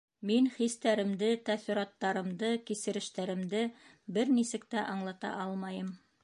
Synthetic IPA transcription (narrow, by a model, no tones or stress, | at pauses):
miŋχist̪æɾɘ̆md̪ɘt̪æθĭɾɑt̪ːɑɾɤ̆md̪ɤkisɘ̆ɾɘ̆ʃt̪æɾɘ̆md̪ɘ | bɘɾnisɘ̆kt̪æʔɑɴlˠɑt̪ɑ̰ʔɑlˠmɑjɤm